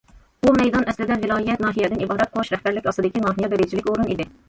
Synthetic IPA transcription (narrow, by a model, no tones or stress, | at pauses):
umɛjd̪ɑnɛslɪd̪ɛvɪlˠɑːijɛt̪̚nɑːɦijɛd̪ɪnibɑːɾɛt̪̚qʰouʃɾɛhbæɾlɪkʲɑsɨd̪ɪkʲinɑːɦijɛbɪɾɪd͡ʒʰilɪkʲoɾunid̪ɪ